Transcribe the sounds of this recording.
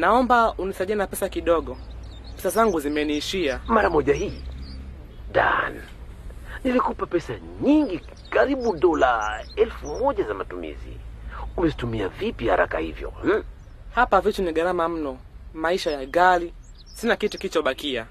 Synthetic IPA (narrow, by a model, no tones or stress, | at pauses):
naɔmbaunisaʄianapɛsakiɗɔɠɔ | pɛsazaŋɡuzimɛniːʃiamaɾamɔʄahiː | da̰n | nilikupapɛsa | ɲiŋɡi | kaɾiɓuɗɔlaɛlfumɔʄazamatumḭzḭumɛzitumiavipiha̰ɾa̰kahḭvjɔ̰m̩ | hapavit͡ʃuniɠaɾamam̩nɔ | maiʃajaɡali | sinakitukilit͡ʃɔɓakia